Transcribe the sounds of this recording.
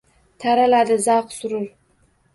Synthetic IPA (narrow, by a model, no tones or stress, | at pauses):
t̪ʰaɾalad̪ɨzɑqsʊɾɨɾ